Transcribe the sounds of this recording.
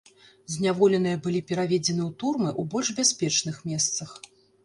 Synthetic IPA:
zʲnʲavɔlʲɛn̪ɨjɐbɨlʲipʲɛɾavʲɛd͡zʲɛn̪ɨwt̪urmɨʔubɔlʲʐbʲasʲpʲɛt͡ʂnɨxmʲɛst̪sɐx

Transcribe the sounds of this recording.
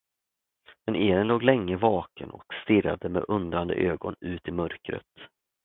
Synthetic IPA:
mɛnʔeːɾənloːɡlɛŋːəvɑːkənɔ̰kst̪ɪra̰d̪əmḛʔɵnd̪ɾand̪ə̰ʔøːɡɔnʉ̟ːt̪ɪmœɾkɾə̰t̪

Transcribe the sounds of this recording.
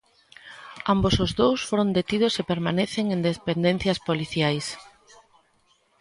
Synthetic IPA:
ambosozðowsfoɾõnd̪et̪iðʊsepeɾmaneθeŋend̪espend̪en̟θjɐspoliθjajs

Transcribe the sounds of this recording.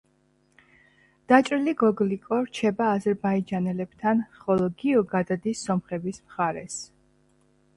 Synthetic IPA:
d̪̥at͡ʃʼɾiliɡɔɡlikʼɔɾt͡ʃʰɛbaːzɛɾbaid͡ʒanɛlɛb̥t̪ʰanχɔlˠɔɡiɔɡad̪ad̪isːɔmχɛbismχaɾɛs

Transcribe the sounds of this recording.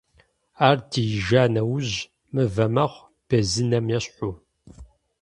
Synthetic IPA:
aːrdʰijɪʒaːnɐwʊʑ | mɨvɐmɐχʷ | b̥ɐzɨnɐmjɛɕħʷʊ

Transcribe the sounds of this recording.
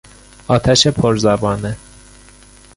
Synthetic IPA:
ɒːt̪ʰæʃepʰoɾzæbɒːne

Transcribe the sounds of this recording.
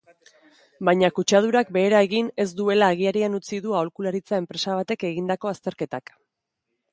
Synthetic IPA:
bajɲakut͡ʃað̞uɾak̚be̞ːɾae̞ɣine̞zd̪ue̞laːɣ̞iaɾianut͡siðuaolkulaɾit͡sae̞mpɾe̞saβ̞at̪e̞ke̞ɣind̪ako̞ast̪e̞ɾke̞t̪ak

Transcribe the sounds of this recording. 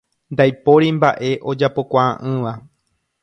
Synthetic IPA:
nd̪ajpo̞ɾimba̰ʔe̞ʔo̞d͡ʒapo̞kʷaã̰ʔɨ̃ʋa

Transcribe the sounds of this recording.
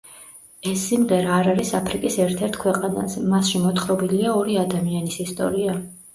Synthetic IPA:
ɛsːimʁɛɾaːɾaɾisapʰɾikʼisɛɾt̪ʰɛɾt̪ʰkʰwɛqʼana̰sɛmasʃimɔt̪χɾɔbiliaɔɾiad̪amianisist̪ʼɔ̰ɾia

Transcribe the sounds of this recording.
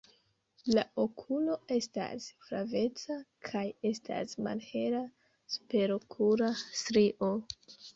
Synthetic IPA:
laʔokʰulo̞e̞sta̰sfɾave̞t͡sakʰaje̞sta̰sma̰lheɾa | spe̞ɾokʰuɾastɾiʔo

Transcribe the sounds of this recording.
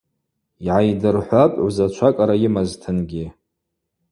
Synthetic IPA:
iʕajdɨrħʷapʼwzat͡ʃʷʰakʼaɾajimaztʰɨnɡʲi

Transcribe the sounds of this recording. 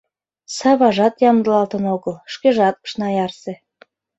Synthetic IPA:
sɑβɑʒɑt̪jɑmd̪əlɑlt̪ənoɣəlʃkeʒɑt̪̚ə̥ʃnɑjɑrsĕ

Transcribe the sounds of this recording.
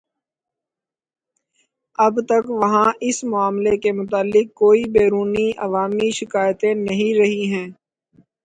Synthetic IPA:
ɐbt̪ɐkʋɐɦãɪsmʊaːmlekemʊt̪̬aːlːɪk̚kːoːibeːɾuːniʔɐʋaːmiʃɪkaːjt̪ẽnɐɦĩɾɐɦiɦɛ̃ː

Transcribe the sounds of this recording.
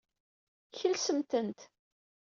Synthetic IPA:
çəlsəmt̪ənt̪

